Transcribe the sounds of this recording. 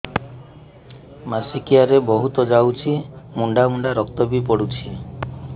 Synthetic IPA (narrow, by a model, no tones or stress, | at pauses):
masikijaɾebɔɦut̪ɔd͡ʒawt͡ʃʰimuɳɖamuɳɖaɾɔk̚t̪ɔbipɔɽut͡ʃʰi